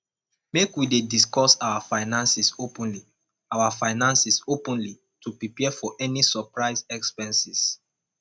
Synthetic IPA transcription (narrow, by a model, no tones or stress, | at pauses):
mekwidediskɔsawafaɪnãnsisopɔ̃nli | awafaɪnãnsisopɔ̃nli | tupɹipɛfɔʔɛnisɔpɹaɪsɛkspɛ̃nsis